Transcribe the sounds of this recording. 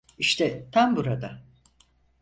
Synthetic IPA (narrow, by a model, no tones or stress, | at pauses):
iʃt̪ʰɛt̪ʰanbuɾad̪a